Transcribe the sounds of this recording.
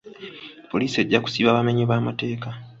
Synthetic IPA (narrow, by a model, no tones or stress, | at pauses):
po̞liːsie̞ɟːaku̥siβaβame̞ɲeβaːmate̞ːka